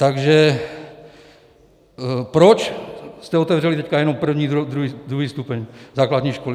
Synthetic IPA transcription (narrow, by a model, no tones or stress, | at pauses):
t̪aɡʒɛ | pɾot͡ʃst̪ɛot̪ɛvrɛlit̪ɛckajɛnompr̩vɲiːd̪ɾuɦid̪ɾuɦiːst̪upɛɲzaːklad̪ɲiːʃkoli